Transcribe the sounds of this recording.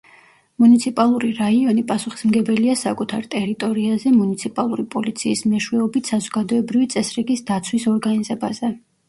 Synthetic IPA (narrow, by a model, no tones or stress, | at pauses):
munit̪sʰipʼalˠuɾiɾaiɔnipʼasuχi̥smɡɛbɛliasa̰kʼut̪ʰaɾt̪ʼɛɾit̪ʼɔɾiazɛmunit̪sʰipʼalˠuɾipʼɔlit̪sʰiːsmɛʃwɛɔbit̪ʰsazɔɡad̪ɔɛbɾivit̪sʼɛsɾiɡisd̪at̪sʰwisɔɾɡanizɛbazɛ